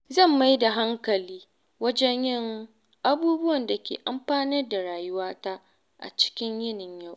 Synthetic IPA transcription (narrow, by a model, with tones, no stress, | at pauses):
zɐ˦˨mːa˦jda˨ɦa˦ŋkɐ˨liː˦ | wɐ˦d͡ʒɛ˦ɲjɪ˦˨ŋ | ʔa˦buː˦bʊ˦wɐ˨nda˨kʲḛː˨ʔa˦mɸaː˦nɪ˦rda˨ɽaː˨jʊ˦waː˦ta˦ʔ | ʔa̰˨t͡ʃɪ̥˦kʲɪ˦ɲjɪ˦nɪ˨ɲja˦˨w